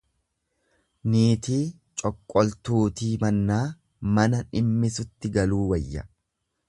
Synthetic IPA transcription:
niːt̪iː | t͡ʃʼɔkʼːɔlt̪uːt̪iːmɐnːaː | mɐnɐnɪmːɪsʊt̪ːɪɡɐluːwɐjːɐ̰

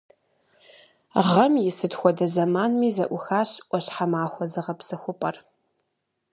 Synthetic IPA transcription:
ʁɐmjɪsɨtxʷɔdɐzɐmaːnmiːzɐʔʷʊxaːɕʔʷʼɔɕħamaːxʷɔzɨʁɐpsɐxʷʊpʼɐr

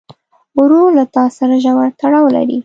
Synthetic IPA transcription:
ɾolat̪ɑsaɾaʒawaɾt̪aɽɑwla̰ɾḭ

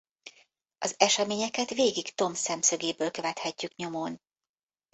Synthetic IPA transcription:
ɒzɛʃɛmeːɲɛkɛt̪ʋeːɡikt̪o̞msɛmsøɡeːbøːlkø̞vɛt̪hɛcːykɲo̞mon

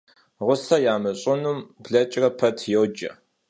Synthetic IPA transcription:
ʁʷʊsɐjaːmɨɕʼɪnumbɮɐt͡ʃʼrɐpʰɐtʰjowd͡ʒɐ̰

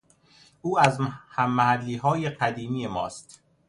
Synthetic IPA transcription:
ʔuːæzhæmːæhælːiːɦɒːjeɢæd̪iːmiːe̞mɒ̰ːst̪

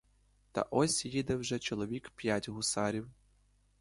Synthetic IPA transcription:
t̪ɐ̰ʔɔsʲjid̪ɛwʒɛt͡ʃɔlˠɔʋʲikpʲjatʲɣʊsaɾʲiw

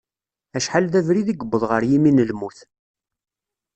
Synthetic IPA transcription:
æʃħalðævɾiðiɡəbːəðˤʁəɾjiminəlmuθ

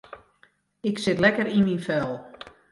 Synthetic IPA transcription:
ɪksɪtlɛkəɾinminfɛlˠ

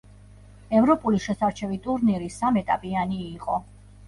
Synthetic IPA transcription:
ɛvɾɔpʼuliʃɛsaɾt͡ʃʰɛvit̪ʼuɾniɾisamɛt̪ʼa̰pʼianiːqʼɔ

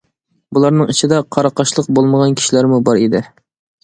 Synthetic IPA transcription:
bulˠɑɾnɨŋit͡ʃʰid̪ɛqʰɑɾɑqʰɑʃlˠəq̚bolˠməʁɑnkʲʰi̥ʃilæɾmubɑɾid̪ɪ

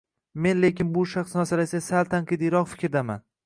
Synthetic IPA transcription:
me̞nle̞kʲɪnbʊʃaχsnasalasasalt̪ʰaŋqɨd̪iɾɒqfɪ̥kʲɾd̪ama̰n

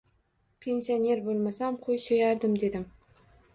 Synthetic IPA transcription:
pʰe̞nsione̞ɾbolˠmasamqʰojsɵjaɾd̪ɪmd̪e̞d̪ɪm

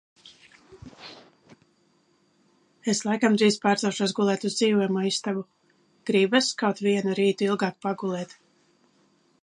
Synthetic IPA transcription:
eslˠajkamd̪ɾiːz̥paːɾt̪zɛwʃuɔsɡulˠɛːt̪uzd̪ziːvɔjmaːist̪avu | ɡ̥ɾibaskawt̪viɛnuɾiːt̪uilˠɡɑːk̚paɡulˠɛːt̪

